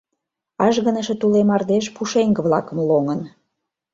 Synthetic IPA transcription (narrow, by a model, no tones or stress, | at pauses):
ɑʒɣənəʃĕt̪ulemɑrd̪eʃpuʃeŋɡə̆βlɑkəmloŋən